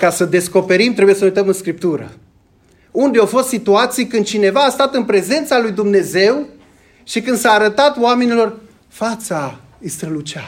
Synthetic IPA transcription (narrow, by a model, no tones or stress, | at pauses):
kasəd̪e̞sko̞pe̞ɾimt̪ɾe̞bujesənujt̪əmɨnskɾip̚t̪uɾə̰ | und̪eawfo̞st̪sit̪uat̪sijkɨnd̪̚t͡ʃine̞vaːst̪at̪ɨnpɾe̞ze̞nt̪salujd̪umne̞ze̞w | ʃikɨnd̪saːɾət̪at̪oame̞nilo̞r | fat̪sa | ist̪ɾəlut͡ʃa